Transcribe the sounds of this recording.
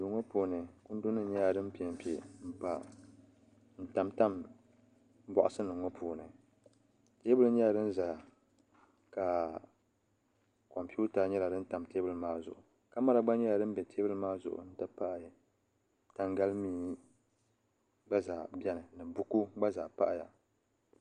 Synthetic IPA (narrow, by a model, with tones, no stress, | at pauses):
du˨ŋɔ˦puː˨nɨ˨kʊ˦n˦dʊ˦nːɨ˦ɲɛ˦ja˨dɨ˦m˦pi˨ɛ˨m˨pi˨˦ḛ˨m̩˦pa̰˨ | n̩˦ta˨mta˦m˦ | bɔ˨ʔʊ˦sɨ˦nɨ˨ŋɔ˦pʰuː˨nɨ̰˨ | teː˦bɨ˦lɨ˦ɲɛ˦ja˨dɨ˦n̩˦za˨ | ka˨ | ko˨m˨pi˦u˦ta˦ɲɛ˦la˨dɨ˦n̩˦ta˨mteː˦bɨ˦lɨ˦maː˦zʊ˨ʔʊ̰˨ | ka˦ma˦ɾa˨ɡ͡ba˦ɲɛ˦la˨dɨ˦m˦bɛ˨tʰe˦bɨ˦lɨ˦maː˦zʊ̰˨ʔʊ̰˨n̩˦ta˦pa˦ʔ | ta˨ŋɡa˦lmiː˦ | ɡ͡ba˦zaː˨bɛ˦nɨ˨nɨ˨bʊ˦ku˦ɡ͡ba˦zaː˨pa˦ʔja̰˨